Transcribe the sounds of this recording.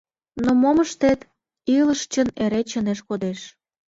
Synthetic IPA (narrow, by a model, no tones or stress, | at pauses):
nomoməʃt̪et̪ | iləʃt͡ɕəneɾet͡ɕəneʃkod̪eʃ